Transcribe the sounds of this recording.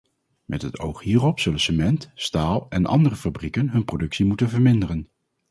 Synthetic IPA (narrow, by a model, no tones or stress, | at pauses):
mʔɛtɦəto̰wχɦiːrɔpsɵlənsəmɛntstaːlˠɛnʔɑ̰ndərəfabrikənɦɵnprodɵksimutənvəɹmɪndərən